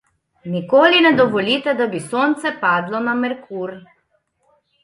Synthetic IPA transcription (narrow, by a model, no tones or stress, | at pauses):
nikoːlinɛd̪ɔʋɔliːt̪ɛd̪abisont̪sɛpaːd̪lɔnamɛɾkʰuːɾ